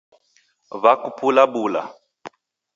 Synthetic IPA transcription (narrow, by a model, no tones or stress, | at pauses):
βakupulabula̰